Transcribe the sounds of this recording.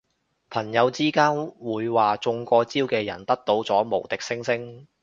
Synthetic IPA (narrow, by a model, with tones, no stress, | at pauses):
pʰɐ˨˩njɐ˨˧wt͡siː˥kaː˥nwuː˨˧jwaː˨t͡sʊ˧ŋkɔː˧t͡siː˥wkɛː˧jɐ̰˨˩nt̪ɐ˥k̚t̪o˨˥wt͡sɔː˨˥mo˨˩wt̪ɪ˨k̚sɪ˥ŋsɪ˥ŋ